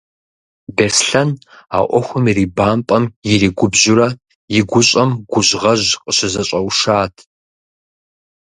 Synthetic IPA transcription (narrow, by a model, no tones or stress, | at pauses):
besɬɐn | a̰ːʔʷɔxʷʊmiriːbaːmpʼɐmjɪriːɡʷʊbʑʊɾɐ | jɪɡʷʊɕʼɐmɡʷʊʑʁɐʑqʼəɕɪzɐɕʼɐwʂaːtʰ